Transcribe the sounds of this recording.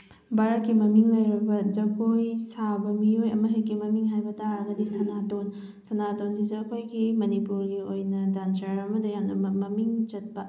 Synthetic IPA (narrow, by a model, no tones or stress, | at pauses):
baɾɐkːimɐmiŋlɐjɾɐbɐd͡ʒɐkojsabɐmiojɐmɐɦikimɐmiŋɦajbɐtaɾɐɡɐdisɐnaton | sɐnatonzid͡ʒɐkʰojɡimɐnipuɾɡiojnɐdant͡ʃaɾɐmɐdɐjamnɐmɐmɐmiŋt͡ʃɐt̚pɐ